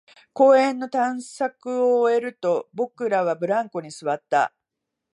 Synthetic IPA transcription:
ko̞ːẽ̞nːo̞t̪ãɰ̃sakɯ̟oːe̞ɾɯ̟t̪o̞bo̞kɯ̟ɾaβabɯ̟ɾãŋko̞ɲ̟isɨβat̪ːa̰

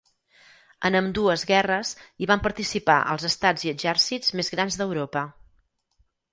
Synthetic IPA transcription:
ənəmd̪uəzɣɛrəziβampəɾt̪isipa̰ʔə̰lˠzəst̪ad͡ziəʒɛɾsizmezɣɾanzðəwɾopə

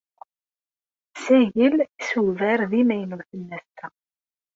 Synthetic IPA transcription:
sæʝəlsuvæɾðimæjnəwθənːæst̪æ

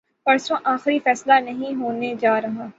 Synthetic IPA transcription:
pɐɾsõʔaːxɾifɛːslanɐɦĩɦoːned͡ʒaːɾɐɦãː

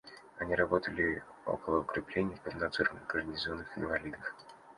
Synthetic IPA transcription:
ɐnʲiɾɐbo̞t̪əlʲɪo̞̰kəlˠəʊkɾʲɪplʲenʲɪjəfpəvnɐt̪sɨɾənəɡərnʲɪzonːɨxɪnvɐlʲid̪əf

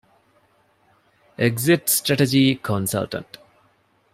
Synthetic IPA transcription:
eɡzɪʈsʈɾæʈed͡ʒikʰɔ̃nsa̰lʈə̰̃ɳʈ

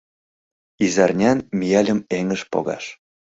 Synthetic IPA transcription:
izɑrnʲɑnmijɑlʲə̆meŋə̆ʃpo̰ɣɑ̰ʃ

